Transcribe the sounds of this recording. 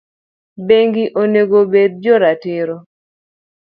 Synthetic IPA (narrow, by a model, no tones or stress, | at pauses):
beŋɡiʔoneɡobedd͡ʒoɾatɪɾo